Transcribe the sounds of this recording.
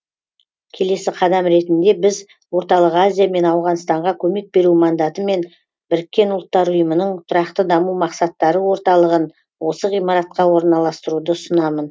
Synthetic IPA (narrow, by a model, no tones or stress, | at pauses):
kʲʰe̞le̞sɪqʰɑd̪ɑmɾe̞t̪ɪnd̪e̞bɪz | wo̞ɾt̪ɑlˠəqazʲijame̞nɑwʁɑnst̪ɑɴʁɑkʲʰɵme̞k̚be̞ɾumɑnd̪ɑt̪əme̞n | bɪɾɪkʲːe̞nʊlˠət̪ːɑɾʊjəmənəɴt̪ʰʊɾɑqt̪əd̪ɑmumɑqsɑt̪ːɑɾəwo̞ɾt̪ɑlˠəʁən | wo̞səʁijmɑɾɑt̪̚qɑwo̞ɾənɑlˠɑst̪əɾud̪əsənɑmən